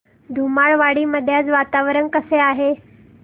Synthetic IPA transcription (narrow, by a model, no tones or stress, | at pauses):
d̪ʱumaɭʋaɽiːməd̪ʱːjat͡sʋat̪aʋɾənkəseaɦe